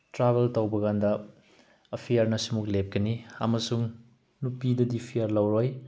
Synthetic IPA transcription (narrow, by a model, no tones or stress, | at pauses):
tɾabeltowbɐɡandɐː | pʰijɐɾnɐsumuk̚lep̚kɐniɐ̰mɐsuŋ | nupidɐdipʰijɐɾlɐwɾoj